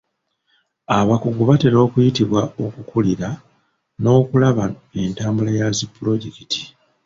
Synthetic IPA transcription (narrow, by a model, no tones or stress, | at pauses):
aβakuɡuβate̞ɾo̞ːkujitiβwao̞kukuliɾa | no̞ːkulaβa | e̞ntaːmbulajazipːulo̞ɟekiti̥